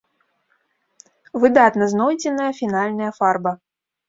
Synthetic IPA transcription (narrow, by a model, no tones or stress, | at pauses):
vɨd̪at̪nɐznɔjd͡zʲɪnɐjɐfʲinalʲnɐjɐfarbɐ